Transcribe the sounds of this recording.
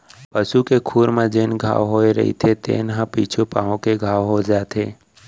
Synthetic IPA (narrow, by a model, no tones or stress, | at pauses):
pəʃukekʰuːɾmẽd͡ʒenɡʱa̰ːʋɦoːeɾə̰ɦḭt̪ʰet̪ʰḛːnɦãpḭːt͡ʃʰupãːõkeɡʱaːwɦod͡ʒaːt̪ʰeː